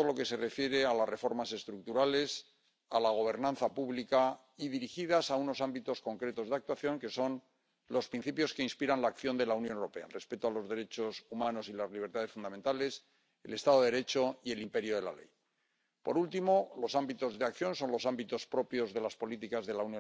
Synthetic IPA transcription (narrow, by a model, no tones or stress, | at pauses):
lo̞ke̞se̞re̞fje̞ɾe̞alare̞fo̞ɾmase̞st̪ɾuk̚t̪uɾale̞s | alaɣ̞o̞β̞e̞ɾnãnθapuβlika | iðiɾixiðasaunosambit̪o̞sko̞ŋkɾet̪o̞zðak̚t̪waθjo̞ŋke̞so̞n | lo̞spɾin̟θipjo̞skeinspiɾanlaːkθjo̞nd̪e̞launjonewɾo̞pe̞aḛlre̞spe̞t̪oalo̞zðe̞ɾe̞t͡ʃo̞sumãno̞silazliβ̞e̞ɾt̪aðefund̪ament̪ale̞s | e̞̰le̞st̪aðoðeɾe̞t͡ʃo̞ie̞limpe̞ɾjoðe̞la̰lḛj | po̞̰ɾult̪imo̞lo̞sambit̪o̞zðeakθjõ̞nso̞nlo̞sambit̪o̞spɾo̞pjo̞zðe̞laspo̞lit̪ikazðe̞lauwnjo